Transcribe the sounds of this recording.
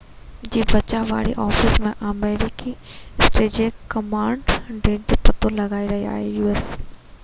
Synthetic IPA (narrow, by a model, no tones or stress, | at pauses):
d͡ʑiːbɐt͡ɕaʋa̰ːɽḭʔɔːfɪsmẽʔameːɾɪkiɪsʈeːd͡ʑeːkɐmãːɳɖɖeːd͡ʑopɐt̪olɐɡaːiɾɐɦia̰ːɦejuːes